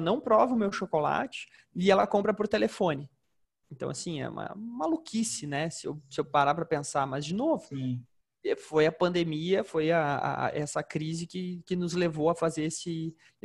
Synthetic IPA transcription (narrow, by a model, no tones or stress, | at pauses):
nɐ̃w̃pɾɔvɐʊmewʃokola̰t͡ʃɪ̥ | ɪɛlɐkõmpɾɐpoɾt̪elefõnɪ | ẽnt̪ɐ̰̃w̃asĩɛ̰ṵ̃mɐ̰malukʰisɪnɛsɪḛwsɪewpaɾaɾpɾɐpẽsamɐzd͡ʒɪnovʊ | ɛfojɐpɐ̃nd̪emiɐfojɐa̰ʔɛsɐkɾizɪkɪkɪnʊzlevowɐfazeɾesɪ